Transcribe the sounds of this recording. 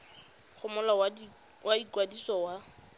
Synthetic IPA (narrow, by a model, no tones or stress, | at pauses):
χʰʊmɔla | wʔaikwadisɔwa